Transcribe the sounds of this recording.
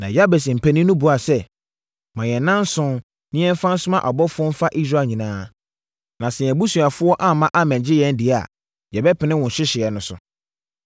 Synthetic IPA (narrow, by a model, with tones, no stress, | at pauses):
nã̰˨ja˦bɛ˨s̬ɪ̃˨m̩˨pʰæ˨nĩ˦nʊ̃˦bu˨a˨sɛ˦ | mã˨jɛ̃˨nã˦n˦sʊ̃˦ | nɪ̃˦ɛ̃˦m˦fã˦n̩˦sʊ˦mã˦ʔɔ˨bɔ˦fʊ˦ɔ˦m̩˦fa˦ʔi˦s̬ɾaː˦˨ɲĩ˨nãː˦ | nã˨sɛ˨jɛ̃˨bu˦su˨a˨fʊ˦ɔ˦ʔa˦mã˦ʔa˦mɛ̃˨ɲd͡ʑɪ˦jɛ̃˦n˦dɪ˨˦a˨ | jɛ˨bɛ˦pʰɪ˨nɪ̃˦wʊ̃˨nɕɪ˦ɕɪ˨ɛ˨nʊ̃˨˦sʊ̰˨